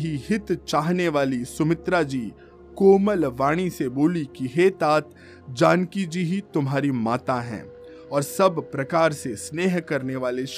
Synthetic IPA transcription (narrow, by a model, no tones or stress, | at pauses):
ɦiɦɪt̪t͡ʃaːɦneʋaːlisʊmɪt̪ɾad͡ʒiː | koːməlʋaːɽ̃iseboːlikiɦeːt̪aːt̪ | d͡ʒaːnkid͡ʒiɦit̪ʊmɦaːɾimaːt̪aɦɛ̰̃ː | ɔːɾsɐbpɾɐkaːɾsesneːɦkɐɾneʋaːleʃ